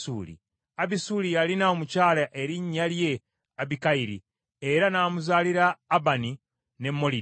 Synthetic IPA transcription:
ṵːlḭ | aβisuːlijalinaomucaːlaʔe̞ɾiɲːalje̞ | aβikaiɾḭ | eɾanaːmuzaːliɾaːbani | ne̞mːo̞li

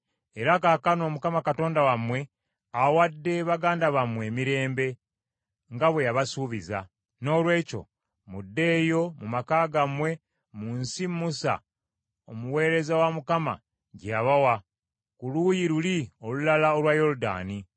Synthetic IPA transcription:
e̞ɾakakano̞ːmukamakato̞ːndawamwe̞ | awadːe̞βaɡaːndaβamwe̞ːmiɾe̞ːmbe̞ | ŋɡaβwe̞jaβasuβiza̰ | no̞ːlwe̞ːco̞̰ | mudːe̞ːjo̞mumakaːɡamwe̞ | munsimːusa̰ | omuwe̞ːɾe̞zawamukama̰ | ɟaβawa | kulujiɾulio̞lulalaolwajo̞luda̰ːni

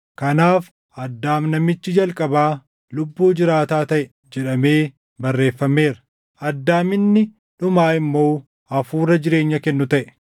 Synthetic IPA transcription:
kɐnaːf | ʔɐd̪ːaːmnɐmɪt͡ʃːɪd͡ʒɐlkʼɐbaː | lʊbːuːd͡ʒɪɾaːt̪aːt̪ɐʔɛ | d͡ʒɛᶑɐme̞ː | bɐrːe̞ːfːɐmːe̞ːɾɐ̥ | ɐd̪ːaːmɪnːɪ | ᶑʊmaːɪmːo̞ː | ɐfuːrɐd͡ʒɪɾe̞ːɲːɐkɛnːʊt̪ɐʔɛ̥

